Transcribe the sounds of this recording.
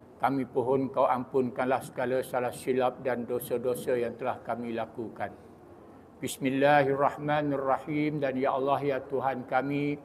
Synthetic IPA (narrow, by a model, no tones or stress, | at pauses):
kamĩpoɦɔnkawampʊnkanlahsə̥ɡalasalahsilap̚dandosədosəjaŋt̪əlahkamĩlakukan | bismilːaharːɑhmanarːɑhimdanjaʔɑlːɑɦjat̪uɦankamĩ